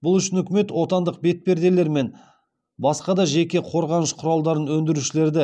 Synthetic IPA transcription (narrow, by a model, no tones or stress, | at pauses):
bʊlˠʏʃɪnʏkʲɪme̞t̪wo̞t̪ɑnd̪əq̚be̞t̪̚pe̞ɾd̪e̞le̞ɾme̞n | bɑsqɑd̪ɑʒe̞kʲe̞qʰo̞ɾʁɑnəʃqʰʊɾɑlˠd̪ɑɾənwɵnd̪ɪɾuʃɪle̞ɾd̪ɪ